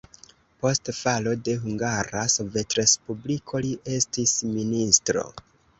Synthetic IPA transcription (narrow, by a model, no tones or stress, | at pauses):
po̞stfalo̞de̞ɦuŋɡaɾaso̞ve̞tɾe̞spublikʰo̞liʔe̞stisministɾo̞̰